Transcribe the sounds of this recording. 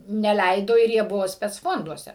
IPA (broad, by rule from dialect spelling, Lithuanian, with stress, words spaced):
nʲɛˈlʲɛɪdoː ɪr ˈjiɛ ˈbʊʋoː sʲpʲɛt͡sˈfoːnduɔsʲɛ